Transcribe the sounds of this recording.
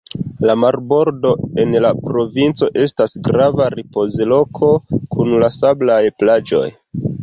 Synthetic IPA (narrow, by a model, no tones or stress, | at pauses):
lamaɾbo̞ɾdo̞e̞nlapɾo̞vint͡so̞ʔe̞stasɡɾavaɾipo̞zlo̞kʰo̞kʰunlasablajplad͡ʒo̞̰j